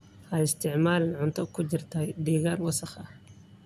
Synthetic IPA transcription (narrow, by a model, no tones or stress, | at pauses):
ʔɐɪst̪ʰɪʕmaːlɪnʕʊnt̪ʰʊb̚kʰʊt͡ʃɪrt̪ʰɐjɖiːɣaːnwɑsɑχɐh